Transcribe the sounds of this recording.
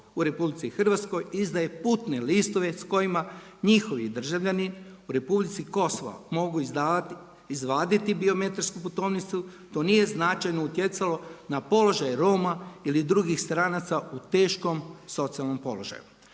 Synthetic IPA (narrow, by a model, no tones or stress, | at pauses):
uɾe̞publit̪sixr̩ʋat̪sko̞jizd̪aje̞put̪ne̞list̪o̞ʋe̞sko̞jima | ɲixo̞ʋid̪r̩ʒaʋʎʲaniuɾe̞publit̪siko̞soʋa̰mo̞ɡuia | izʋaːd̪it̪ibio̞me̞t̪aɾskuput̪o̞ːʋnit̪su | t̪o̞nije̞znat͡ʃajnout̪je̞t̪salo̞napo̞lo̞ʒajeɾoːmailid̪ɾuɡixst̪ɾaːnat̪saut̪e̞ːʃko̞mso̞t̪sijalno̞mpo̞̰lo̞ʒa̰ju